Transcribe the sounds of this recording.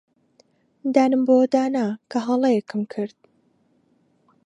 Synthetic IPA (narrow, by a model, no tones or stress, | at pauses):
d̪aːnɨmbowd̪aːnakʰɐɦɑlˠejɛkʰɨmkʰɨɾd̪̥̚